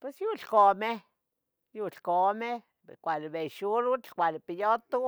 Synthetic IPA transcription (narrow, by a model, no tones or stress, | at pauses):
pwesjuɬkome | juɬkome | ekʷalebejʃuɾukʷalepijot̪u